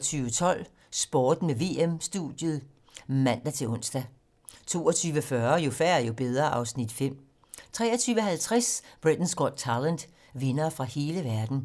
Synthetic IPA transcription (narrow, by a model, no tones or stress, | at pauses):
t͡sʰyːʋət͡sʰɒ̽l̰ | sb̥ɒːd̥meʋe̝ːemsd̥ṵd̥jəðˠ | mæn̰d̥æt͡sʰe̝lɔ̽n̰sd̥æ | t͡sʰo̝̰ːɐt͡sʰyːʋəfɶːɐjo̝fæɐæjo̝b̥eð̞ˠʁɐʔɑ̈ʊsnid̥fem̰ | t͡sʰʁɛːɐt͡sʰyːʊəhælt͡sʰʁasb̥ʁid̥n̩sɡ̥ɒd̥̚ʰɑlænd̥ | ʋe̝nɐːfʁɑ̈he̝ːləʋæɐd̥n̩